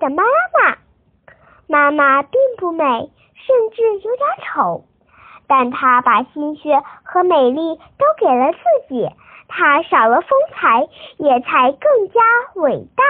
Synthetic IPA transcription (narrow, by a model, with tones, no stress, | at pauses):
d̪ə˩ma˥˨ma˨˩ | ma˥ma˨pi˥˧ŋpu˥˩me˨˩˦ɪ | ʂə˥˧nʈ͡ʂɻ̩˥˩jo˧˥ʊt̪ja˧˩˥ʈ͡ʂʰo˧˥˦ʊ | t̪a˥˩nt̪ʰa˥pa˨˩ɕi˥nɕɥɛ˥xɤ˧˥me˨˩ɪli˥˩t̪o˥ʊke˨˩ɪlə˦t͡sɹ̩˥˩t͡ɕi˨˩˦ | t̪ʰa˥ʂɑ˨˩ʊlə˦fɤ˥ŋt͡sʰa˧˥ɪjɛ˨˩t͡sʰa˧˥ɪkɤ˥˩ŋt͡ɕja˥we˨˩ɪt̪a˥˩